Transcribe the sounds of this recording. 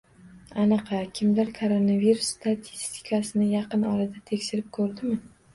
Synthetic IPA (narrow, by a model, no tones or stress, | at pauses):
anɨqʰɑkʲʰɪmlaɾkʰoɾonaviɾusːt̪at̪ʰist̪ʰɪ̥kʰasɪnɪjɑqɨnɒɾad̪at̪ʰe̞kʲʃɪɾɪp̚kʰɵɾd̪ɪmɪ